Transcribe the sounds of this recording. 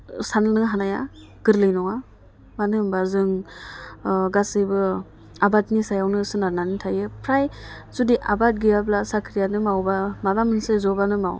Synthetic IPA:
sanɯlnɯɦanaja | ɡ̥ɯɾlɯjnɔŋa | manɯmbaɾzɯŋ | ɡasɯjbɯ | abatnisajawnɯsɯnaɾnanitʰajɯpʰɾajzudiʔabat̚ɡijablasakʰɾijanɯmawbamadamɯnsɯzɔbanɯmaw

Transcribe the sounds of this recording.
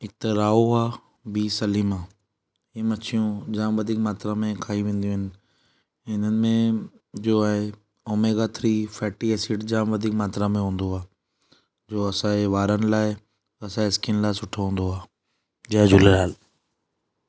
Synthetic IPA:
ɪt̪eɾaːoaː | biːsɐliːmã | ɦiːmɐt͡ɕʰijũd͡ʑaːmʋɐd̪ʱiːkmaːt̪ɾamẽkʰaːiʋẽːn̆d̪ijũːɦɪnɪ̆ | ɪn̤ənɪ̆mẽ | d͡ʑoːaːɦe | oːmeːɡaːt̪ʰɾifɛːʈieːsiːʈd͡ʑaːmʋɐd̪ʱiːkmaːt̪ɾãmẽɦũːn̆d̪oaː | d͡ʑoːɐsãːeʋaːɾənɪ̆laːɪ | ɐsãɪskɪnlaːɪsʊʈʰoɦũːn̆d̪oaː | d͡ʑaːd͡ʑʊləɾaːl

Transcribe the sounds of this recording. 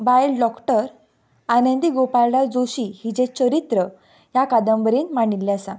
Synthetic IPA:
bajlɖɔkʈəɾ | anənd̪iɡopallad͡zoɕihid͡ʑẽt͡ɕəɾit̪ɾə | jakad̪əmbəɾiːnmaɳ̃ilːeəsã

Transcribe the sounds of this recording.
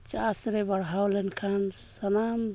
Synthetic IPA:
t͡ʃasɾebaɽɦawlɛnkʰansɐnam

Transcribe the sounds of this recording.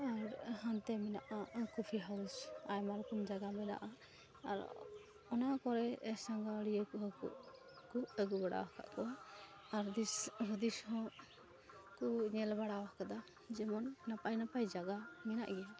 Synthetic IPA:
aɾhant̪ɛmɛnaʔakupʰiɦawsajmaɾkʰumd͡ʒaɡamɛna̰ʔa | a̰ɾ | ɔnaʔkɔɾɛɛsaŋɡaɽijəkɔɦɔkṵʔ | kuəɡubaɽa̰waka̰ʔkɔwa | aɾd̪isɦɔd̪ishɔ̃ | kɔɲɛlbaɽawakad̪a | d͡ʒɛmɔnːapajnapajd͡ʒaɡamɛna̰ʔɡɛa

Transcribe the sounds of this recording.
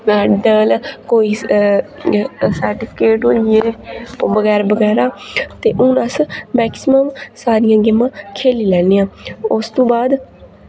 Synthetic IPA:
maːɖəlkoːiː | səːɾʈɪpʰɪkeːʈoːlebəɡɛːɾbəɡɛːɾaːt̪eːʔʊ̃ːnəsmɛːksɪməmsaːɾɪjãːɡɪmːãːkʰeːliːlɛːnijãːʊst̪õːbaːd̪

